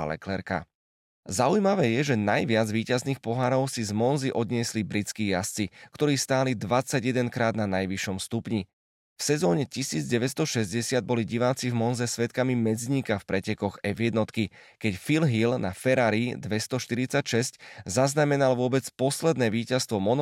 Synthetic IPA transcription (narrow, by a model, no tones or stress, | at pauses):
lɛ̰klɛɾka̰ | zaujmaʋɛːjɛʒɛnajʋɪad͡zʋiːcazniːxpɔɦaɾɔʊsizmɔnziʔɔd̪ɲɪɛslibɾit͡skiːjast͡sikt̪ɔɾiːst̪aːlid̪ʋat͡saɟjɛd̪ɛnkɾaːd̪nanajʋiʃɔmst̪upɲi | fsɛzɔːɲɛcisiːd͡zɟɛʋɛst̪ɔʃɛzɟɛsɪad̪̚bɔliɟiʋaːt͡sivmɔnzɛsʋɛt̪kamimɛd͡zɲiːkafpɾɛcɛkɔɣɛjvjɛd̪nɔt̪kikɛcfilɦilna̰fɛɾaɾid̪ʋɛst̪ɔʃt̪iɾit͡sacʃɛsczaznamɛnalʋʊɔbɛt͡spɔslɛd̪nɛːʋiːcast̪ʋɔmɔn